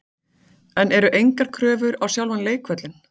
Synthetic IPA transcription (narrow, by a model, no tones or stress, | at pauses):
ɛnʔɛɾʏʔejŋkaɾ̥kʰɾœːvʏɾawsjawlvanleːjkʰvœt̪lɪn